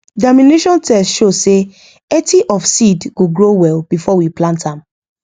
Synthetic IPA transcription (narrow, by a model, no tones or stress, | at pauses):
damĩneʃɔ̃ntʰɛstʃose | ɛtʰiʔɔfsidɡ̥oɡɹowɛlb̥ifɔwiplãntãm